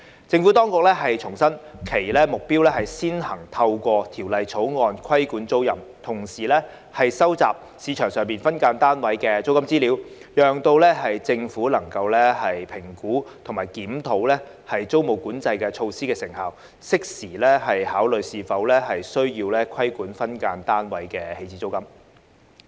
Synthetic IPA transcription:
t͡sɪ˧ŋfu˨˥t̪ɔː˥ŋkʊ˨k̚lɛː˥ɦɐ˨jt͡ʃʰʊ˨˩ŋsɐ˥nkʰe˨˩jlɛː˥mʊ˨k̚piː˥wlɛː˥hɐ˨jsiː˥nhɐ˨˩ŋt̪ʰɐ˧wkʷɔː˧t̪ʰiː˨˩wlɐ˨˧jt͡sʰo˨˥wŋɔː˨˧nkʰɐ˥jkuː˨˥nt͡so˥wjɐ˨mt̪ʰʊ˨˩ŋsiː˨˩lɛː˥ | hɐ˨jsɐ˥wt͡sa̰ː˨p̚ | siː˨˧t͡ʃʰœː˨˩ŋsœː˨ŋmpiː˨nfɐ˥nkaː˨˥nt̪aː˥nwɐ˨˥jkɛː˧t͡so˥wkɐ˥mt͡siː˥liː˨˥wjœː˨ŋt̪o˧wlɛː˥ɦɐ˨jt͡sɪ˧ŋfuː˨˥lɐ˨˩ŋkɐ˧wlɛː˥hɐ˨jpʰɪ˨˩ŋkuː˨˥t̪ʰʊ˨˩maː˨˩jkiː˨˥mt̪ʰo˨˥wlɛː˥ | hɐ˨jt͡so˥wmo˨wkuː˨˥nt͡sɐ˧jkɛː˧t͡ʃʰo˧wsiː˥kɛː˧sɪ˨˩ŋhaː˨w | sɪ˥k̚siː˨˩lɛː˥hɐ˨jhaː˨˥wlɵ˨˩ɥsiː˨˧fɐ˨˥wlɛː˥hɐ˨jsɵ˥ɥjiː˧wlɛː˥kʰɐ˥jkuː˨˥nfɐ˥nkaː˧nt̪aː˥nwɐ˨˥jkɛː˧he˧jt͡siː˨˥t͡so˥wkɐ˥m

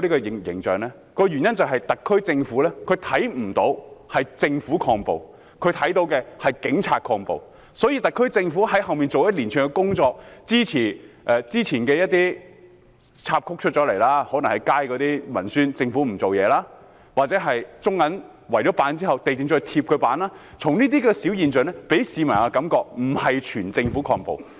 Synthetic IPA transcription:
liː˥kɔ˧jɪ˨ŋjɪ̰˨˩ŋt͡ʃœː˨ŋlɛː˥ | kɔː˧jyː˨˩njɐ˥nt͡sɐ˨˩wɦɐ˨jt̪ɐ˨kʰːɵ˥ɥt͡sɪ˧ŋfuː˨˥lɛː˥kʰɵ˨˧ɥt̪ʰɐ˨˥jm̩˨˩t̪o˨˥whɐ˨jt͡sɪ˧ŋfuː˨˥kʰɔː˧ŋpo̰˨w | kʰɵ˨˧ɥt̪ʰɐ˨˥jt̪̬o˨˥wkɛː˧hɐ˨˩jkɪ˨˥ŋt͡sʰaː˧t̚kʰɔː˧ŋpo̰˨w | sɔː˨˥jiː˨˧t̪ɐ˨˩kʰːɵ˥t͡sɪ˧ŋfuː˨˥ɦɐ˨˥jɦɐ˨wmiː˨˩nt͡so˨wjɐ˥t̚liː˨˩nt͡ʃʰːŋkɛ˧kʊ˥ŋt͡sɔː˧k̚t͡siː˥t͡sʰiː˨˩ | ʔɛː˨˧t͡siː˥t͡sʰiː˨˩nkɛː˧jɐ˥t̚t̪iː˥ | t͡sʰaː˧p̚kʰʊ˥k̚t͡ʃʰt̚t͡ʃɔː˨˥le˨˩jlaː˥hɔː˨˥nɐ˨˩ŋhɐ˨jkaː˥jkɔː˨˧t̪iː˥mɐ̰˨˩nsyː˥nt͡sɪ˧ŋfuː˨˥m̩˨˩t͡so˨wjɛː˨˧˥laː˥ | waː˨t̚t͡sɛː˨˥ɦɐ˨jt͡sʊ˥ŋːɐ˨˥n | wɐ˨˩jt͡ʃɔ˨˦˥paː˨˥nt͡siː˥hɐ˨wt̪e˨jt͡sɪ˨˧ŋt͡ʃɔː˧jt̪ʰi˧p̚kʰɵ˨˧ɥpaː˨˥naː˥ | t͡sʰʊ˨˩ŋniː˥t̪iː˥kɛː˧si˨˥wjiː˨nt͡ʃœ˨˩nɛ˥pe˨˥jsiː˨˧mɐ˨˩naː˧kɐ˨˧˥mkɔː˧k̚m̩˨˩hɐ˨jt͡ʃʰyː˨˩nt͡sɪ˧ŋfuː˨˥kʰɔː˧ŋpo̰˨w

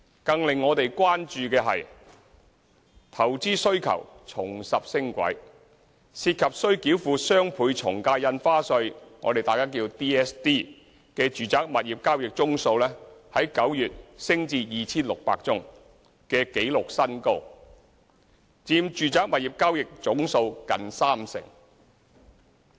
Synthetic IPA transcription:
kɐ˧ŋlɪ˨ŋːɔː˨˧t̪e˨jkʷwaː˥nt͡ʃyː˧kɛː˧ɦɐ̰˨j | t̪ʰɐ˨˩wt͡siː˥sɵ˥ɥkʰɐ̰˨˩wt͡sʰʊ˨˩ŋsɐ˨p̚sɪ˥ŋkʷɐ̰˨˥j | siː˧t̚kʰɐ˨p̚sɵ˥ɥkiː˨˥wfuː˨˧sœː˥ŋpʰuː˨˧jt͡sʰʊ˨˩ŋkaː˧jjɐ˧nfaː˥sɵ˧ɥŋɔ̰ː˨˧t̪e˨˩jt̪aː˨jkaː˥k̬iː˧wt̪iː˥ɛː˥st̪iː˥ | kɛː˧t͡ʃyː˨t͡saː˨˥k̚mɐ˨t̚jiː˨˩p̚kaː˥wjɪ˨k̚t͡sʊ˥ŋso˧wlɛː˥hɐ˨˥jkɐ˨˥wjyː˨t̚sɪ˥ŋt͡siː˧jiː˨t͡sʰiː˥nlʊ˨k̚pa̰ː˧k̚t͡sʊ˥ŋ | kɛː˧ke˨˥jlʊ˨k̚sɐ˥nko˥w | t͡siː˧mt͡ʃyː˨t͡saː˨k̚mɐ˨t̚jiː˨p̚kaː˥wjɪ˨k̚t͡sʊ˨˥ŋso˧wkɐ˨nsaː˥msɪ̰˨˩ŋ

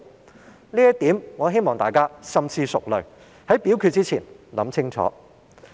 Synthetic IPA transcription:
liː˥jɐ˥tt̪iː˨˥mŋɔː˨˧ɦe˥jmɔː˨ŋt̪aː˨jkaː˥sɐ˨mt͡sʰiː˧sʊ˨k̚lɵ˨˩ɥ | hɐ˨˥jpiː˨˥wkʰyː˧t̚t͡siː˥t͡sʰiː˨˩nlɐ̰˨˥mt͡sʰɪ˥ŋt͡sʰɔ̰ː˨˥

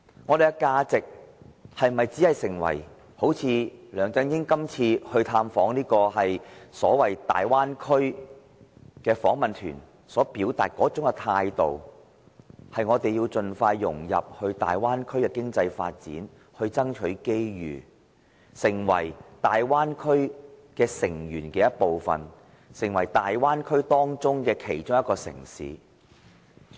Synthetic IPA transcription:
ŋɔː˨˧ɾe˨jkɛ˧kaː˧t͡sɪ˨k̚hɐ˨jm˨mɐ˨jt͡siː˨˥hɐ˨jsɪ˨˩ŋwɐ̰˨˩j | ho˨˥wt͡sʰiː˨˧lœː˨˩ŋt͡sɐ˨˧njɪ˥ŋkɐ˥mt͡sʰiː˧hɵ˧ɥt̪ʰaː˧mfɔː˨˥ŋniː˥kɔː˧hɐ˨jsɔ̰ː˨˥wɐ˨˩jt̪a̰ː˨jwaː˥nkʰɵ˥ɥ | kɛː˧fɔ̰ː˨˥ŋmɐ˨˩nt̪ʰy̰ː˨˩n | sɔː˨˥piː˨˥wt̪aː˨t̚kɔː˨˥t͡sʊ˨˥ŋkɛ˧t̪ʰaː˧jt̪o̰˨w | hɐ˨jŋɔː˨˧t̪e˨jiː˧wt͡ʃɵ˨nfaː˧jːʊ̰˨˩ŋjɐ̰˨p̚hɵ˧ɥt̪a̰ː˨jwaː˥nkʰɵ˥ɥkɛ˧kɪ˥ŋt͡sɐ˧jfa̰ː˧t̚t͡sḭː˨˥n | hɵ˧ɥt͡sɐ˥ŋt͡ʃʰɵ˨˥ɥke˥jjy̰ː˨˩ | sɪ˨˩ŋwɐ̰˨˩jt̪aː˨jwaː˥nkʰɵ˥ɥkɛː˧sɪ˨˩ŋjyː˨˩nkɛː˧jɐ˥t̚po˨wfɐ̰˨n | sɪ˨˩ŋwɐ˨˩jt̪aː˨jwaː˥nkʰɵ˥ɥt̪ɔː˥ŋt͡sʊ˥ŋkɛː˧kʰe˨˩jt͡ʃʊ˥ŋjɐ˥t̚kːɔː˧sɪ̰˨˩ŋsḭː˨˥

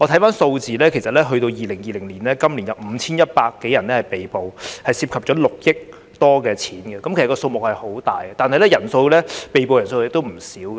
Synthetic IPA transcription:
ɔ˨˧t̪ʰɐ˨˥jfaː˥nso˧wt͡siː˨lɛː˥kʰe˨˩sɐ˨t̚lɛː˥ɦɵ˧ɥt̪o˧wjiː˨lɪ˨˩ŋjiː˨lɪ˨˩ŋliː˨˩nlɛː˦˥kɐ˥mli˨˩njɐ˨wm̩ː˨˧t͡sʰiː˥njɐ˥t̚paː˧kːe˨˥jɐ˨˩nlɛː˦˥hɐ˨jpe˨jpo˨whɐ˨jsiː˧p̚kʰɐ˨p̚t͡ʃɔ˨˥lʊ˨k̚jɪ˥k̚ | t̪ɔː˥kɛː˧t͡sʰiː˨˥nɡɛ˧kɐ˨˥mkʰe˨˩sɐ˨kɔː˧so˧wmʊ˨k̚hɐ˨jho˨˥wt̪a̰ː˨jɛ˧t̪aː˨nɦɐ˨jlɛː˦˥jɐ˨˩nso˧wlɛː˥pe˨jp̬o˨wjɐ˨˩nso˧wjɛ˥t̪o˥wm̩˨˩siː˨˥wkː

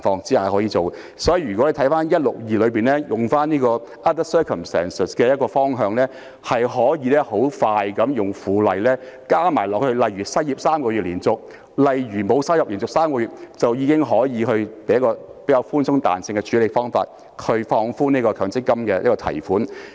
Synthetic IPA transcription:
fɔː˧ŋt͡siː˥a˨hɔː˨˥jiː˨˧t͡so˨w | sɔː˨˥ji˨˧ɥyː˨˩kɔ˨˥le˨˧t̪ʰjfaː˥njɐ˥t̚lʊ˨k̚jiː˨lɵ˨˧ɥpiː˨nlɛː˥jʊ˨˩ŋfaː˥niː˥kɔː˧ | ʔɐ˦˥t̚tɐ˥t̚sœː˥kʰɐ˨˩msɛ̰ː˥˩nsə˨˩skɛː˧jɐ˥tkɔː˧fɔː˥ŋɦœː˨˧ŋlɛː˥ | hɐ˨jɦɔː˨˥jiː˧lɛː˥ho˨˥wfaː˧jkɐ˨˧˥mjʊ˨ŋfuː˨lɐ˨jlɛː˥kaː˥maː˨˩jlɔː˨k̚hɵ˧ɥlɐ˨jɥyː˨˩sɐ˥jiː˨p̚saː˥mkɔː˧jyː˨t̚liː˨˩nt͡sʊ˨k̚ | lɐ˨jɥyː˨˩mo˨˧wsɐ˥jɐ˨p̚liː˨˩nt͡sʊ˨k̚saː˥mkɔ˧ɥyː˨t̚t͡sɐ˨wjiː˨˧kɪ˥ŋɦɔː˨˥jiː˨˧ɦɵ˧ɥpe˨˥jɐ˥kɔː˧pe˨˥kaː˧wfuː˥nsʊ˥ŋt̪a̰ː˨nsɪ˧ŋkɛ˧t͡ʃʰyː˨˥le˨˧jfɔː˥ŋfa̰ː˧t̚ | kʰɵ˨˧ɥfɔː˧ŋfuː˥niː˥kɔː˧kʰœː˨˥ŋt͡sɪ˥kːɐ˥mkɛː˧jɐ˥kɔː˧t̪ʰɐ̰˨˩jfuː˨˥n

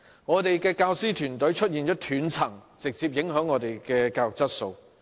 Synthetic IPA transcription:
ŋɔː˨˧t̪e˨jkɛː˧kaː˧wsiː˥t̪ʰyː˨˩nt̪ɵ˨˥ɥt͡ʃʰɵ˥t̚jiː˨nt͡ʃɔː˨˥t̪ʰyː˨˥nt͡sʰɐ˨˩ŋt͡sɪ˨k̚t͡siː˧p̚jɪ˨˥ŋɦœː˨˥ŋːɔː˨˧t̪e˨˩jkɛː˧kaː˧wjʊ˨k̚t͡sɐ˥t̚so˧w

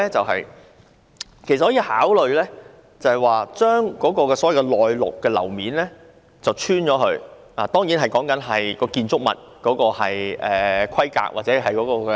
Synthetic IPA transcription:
ɛ˥t͡sɐ˨wɦɐ̰˨j | kʰe˨˩stːhɔː˨˥ji˧haː˨˥wlɵ˨˧ɥlɛː˥ | t͡sɐ˨˧hɐ˨jwaː˨t͡ʃœː˥ŋkɔː˨˥kɔː˧kɛː˧sɔ˨˦˥jɐ˨wkɛ˧lɔː˨jlʊ̰˨kːɛː˧lɐ̰˨˩wmiː˨˥nlɛː˥ | t͡sɐ˨wt͡ʃʰyː˥nt͡ʃɔː˨˥ɦɵ˧ɥ | aː˨˧t̪ɔː˥ŋjiː˨˥nɦɐ˨jkɔː˨˥ŋkɐ˨˥nɦɐ˨jkɔː˧kiː˧nt͡sʊ˥k̚mɐ̰˨t̚kɔː˨˥kɔː˧hɐ˨jʔɛː˨˩kʰɐ˥jka̰ː˧˥k̚wa̰ː˨t̚t͡sɛ˨˧˥ɦɐ˨jkɔː˨˧˥kɔː˧kɛ˧

